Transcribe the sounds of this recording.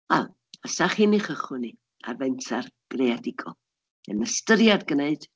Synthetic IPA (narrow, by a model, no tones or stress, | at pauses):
wɛ̰lˠ | asaχiniχəχʊni | a̰rvɛntʰarɡ̥readɪɡʰɔ | ə̰nəstəɾjadɡəneɨd̥